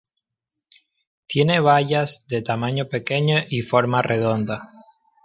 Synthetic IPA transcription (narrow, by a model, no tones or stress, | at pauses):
t̪je̞ne̞β̞aʎazðe̞t̪amãɲope̞ke̞ɲoʔifo̞ɾmarʔeðo̞nd̪a